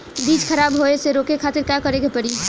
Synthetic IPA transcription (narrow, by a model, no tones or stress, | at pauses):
b̪iːd͡ʒkʰɐɾaːbɦoeseɾoːkekʰaːt̪ɪɾkjakəɾeɡepəɽi